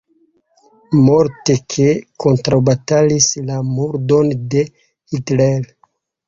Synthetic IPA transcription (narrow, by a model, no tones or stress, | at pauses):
moɾtekʰekʰo̞ntɾawbatalislamuɾdo̞nde̞ | hitɾael